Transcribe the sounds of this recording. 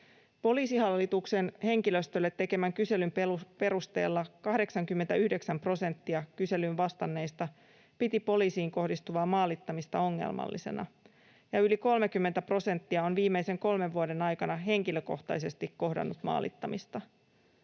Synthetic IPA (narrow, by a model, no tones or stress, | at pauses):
po̞liːsihɑlːit̪ukse̞nhe̞ŋkilø̞st̪ølːet̪ːe̞ke̞mæŋkyse̞lymppe̞ɾust̪e̞̰ːlːɑkɑhde̞ksɑŋkymːet̪æyhde̞ksæmpro̞se̞nt̪ːiɑkyse̞lynʋɑst̪ɑnːe̞jst̪ɑ | pit̪ipo̞liːsiːŋko̞hdist̪uʋɑːmːɑːlit̪ːɑmist̪ɑo̞ŋːḛlmɑ̰lːise̞̰nɑ̰ | jɑyliko̞lmekymːent̪æpro̞se̞nt̪ːiɑo̞nʋiːmːeise̞ŋko̞lme̞ʋːuode̞nɑjkɑnɑɦe̞ŋkiløko̞̰ht̪ɑ̰jse̞st̪ikkːo̞hdɑ̰nːut̪mɑ̰ːlḭt̪ːɑmist̪ɑ